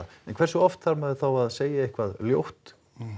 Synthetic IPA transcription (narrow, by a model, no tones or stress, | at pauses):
ɛnkʰvɛrsʏɔft̪θaɾmaðɪθawaðseːjaehkvaðljowht̪